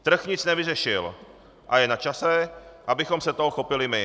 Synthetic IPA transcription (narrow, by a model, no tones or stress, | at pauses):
t̪r̩xɲɪt͡snɛvɪrɛʃɪl | ʔajɛnat͡ʃasɛʔabɪxɔmsɛt̪oɦɔxɔpɪlɪmɪ